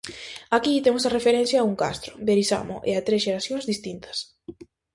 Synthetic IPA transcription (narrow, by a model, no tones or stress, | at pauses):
akit̪emʊsarefeɾẽnθjaːuŋka̰st̪ɾʊbeɾisa̰mo̰ʔeat̪ɾesʃeɾaθjõŋzðist̪int̪ʰɐ̥s